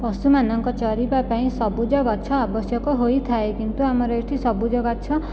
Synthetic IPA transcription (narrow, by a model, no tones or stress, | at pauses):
pɔsumanɔŋkɔt͡ʃʌɾibapaĩsʌbud͡ʒʌɡʌt͡ʃʰʌabɔsjʌkɔɦojt̪ʰaekint̪uamʌɾɔeʈʰisʌbud͡ʒʌɡat͡ʃʰʌ